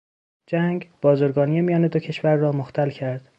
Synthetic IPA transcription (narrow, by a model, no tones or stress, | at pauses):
d͡ʒæŋɡb̥ɒːzoɾɡɒːnijemijɒːned̪o̞cʰe̞ʃvæɾːɒːmoxt̪ʰælcʰæɾd̪̥